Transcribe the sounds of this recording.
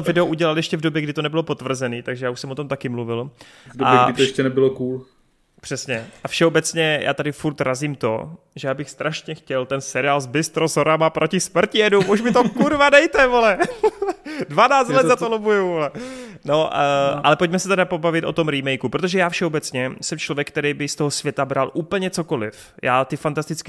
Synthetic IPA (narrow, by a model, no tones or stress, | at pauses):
ovɪdɛoʔuɟɛlaljɛʃcɛvdobjɛɡdɪt̪o̞nɛbɪlopot̪vr̩zɛniːt̪aɡʒɛjaːuʃsɛmot̪o̞mt̪akɪmluvɪl | vdoabjɛɡɪt̪jɛʃɛnɛbɪlokuːl | pr̥ɛsɲɛafʃɛobɛt͡sɲɛjʔa̰ːt̪adɪfuɾt̪ɾaziːmt̪o̞̰ | ʒɛjaːbɪxst̪ɾaʃɲɛxcɛlt̪ɛnsɛɾɪaːlzbɪst̪ɾozoɾamapɾʔocɪsmr̩cɪɛdumʔuʃmɪt̪okuɾvadɛjt̪ɛvolɛ | dvanaːt͡st̪lɛt̪zat̪olobujuvolɛ | noʔa̰lɛpo̞c̚mɛsɛt̪ɛdapo̞bavɪt̪ʔo̞̰t̪o̞mɾimɛjkupɾot̪o̞ʒɛjaːfʃɛobɛt͡sɲɛsɛmt͡ʃlovjɛk̚t̪ɛɾɛjbɪst̪o̞ɦosv̥jɛt̪abɾalʔuːpl̩ɲɛt͡so̞ko̞lɪ̰f | jaːt̪ɪfant̪ast̪ɪt͡sk